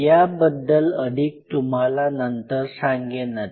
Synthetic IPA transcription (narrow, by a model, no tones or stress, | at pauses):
jabəd̪ːələd̪ʱiːk̚t̪um̤alanənt̪əɾsãŋɡenət̪